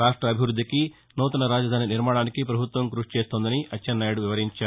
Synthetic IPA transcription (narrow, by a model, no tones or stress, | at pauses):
ɾaːʂʈɾɐːbʱiʋɾud̪ʱːiki | nuːt̪ɐnɐɾaːd͡ʒɐd̪ʱaːniniɾmaːɽaːnikipɾɐbʱut̪ʋɐŋkɾuʂt͡ʃe̞ːst̪oːnd̪ɐniʔɐt͡ʃːɐnːaːjɐɽuʋiʋɐɾiɲt͡ʃaːu